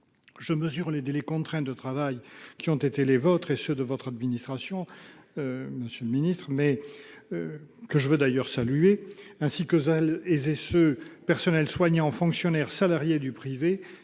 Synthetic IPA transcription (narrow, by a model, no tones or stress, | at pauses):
ʒəməzyʁled̪elɛkɔ̃t̪χɛ̃d̪ət̪χavajkʲiɔ̃t̪et̪elevɔt̪χesød̪əvɔt̪χad̪minist̪χasjɔ̃ | məsjøləminist̪χəmɛ | kəʒəvød̪ajœʁsalyeɛ̃sikøzɛlezesøpɛʁsɔnɛlswaɲɑ̃fɔ̃ksjɔnɛʁsalaʁjed̪ypχive